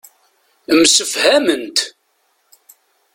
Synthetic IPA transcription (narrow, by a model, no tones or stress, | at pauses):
msəfhæmənt̪